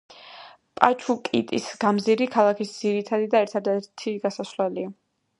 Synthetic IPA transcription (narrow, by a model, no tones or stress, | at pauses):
pʼat͡ʃʰukʼḭt̪ʼisɡ̥amziɾikʰalˠakʰisd̪z̥iɾit̪ʰad̪id̪aɛɾt̪ʰad̪ɛɾt̪ʰiɡasaslɛlia